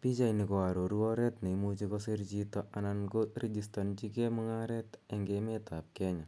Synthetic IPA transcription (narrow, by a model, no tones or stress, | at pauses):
pit͡ʃajnikɔaɾoɾuɔɾɛtnemut͡ʃikɔsirt͡ʃitɔʔanankored͡ʒistɔnt͡ʃikemɔŋaɾɛteŋɡemetap̚kɛɲa